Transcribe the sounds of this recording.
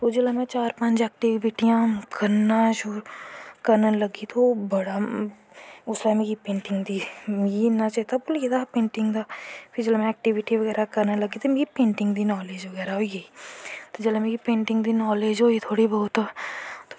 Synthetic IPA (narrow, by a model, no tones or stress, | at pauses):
t̪od͡ʒɐlamɛ̃t͡ʃaːɾpɐ̃nt͡ʃɛːk̚ʈɪʋɪʈijãkɐɾnaʃuːɾkɐɾnalɐɡit̪ʰobɐɽa | ʊslamekipẽːɳʈɪ̃ŋɡd̪iinat͡ʃaɦit̪abuljed̪apẽːɳʈɪ̃ŋɡd̪apʰɪɾd͡ʒɐlmɛ̃ɛːk̚ʈɪʋɪʈiʋɐɡɛːɾakɐɾnalɐɡit̪omeːkipẽːɳʈɪ̃ŋɡd̪inɔːleːd͡ʒʋɐɡɛːɾaɦoːjeit̪od͡ʒɐlamẽkipẽːɳʈɪ̃ŋɡd̪inɔːleːd͡ʒɦoːit̪ʰoːɽibɐːʊt̪ːt̪o̥